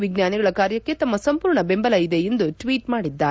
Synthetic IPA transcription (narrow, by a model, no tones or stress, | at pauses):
ʋiɡnjaːniɡɐɭɐkaːɾjɐkːe̞t̪ɐmːɐsɐmpuːɾɳɐbe̞mbɐlɐid̪eːnd̪uʈʋiːʈmaːɽid̪ːaː